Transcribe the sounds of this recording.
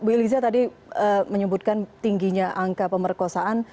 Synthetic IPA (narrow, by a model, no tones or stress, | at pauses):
bilizat̪adi | əməɲəbut̪̚kant̪iŋɡiɲaʔaŋkapəmərkosaan